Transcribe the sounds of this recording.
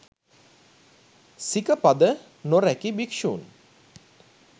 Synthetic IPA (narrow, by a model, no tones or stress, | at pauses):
sikəpad̪ə | noɾækibikʃṵːn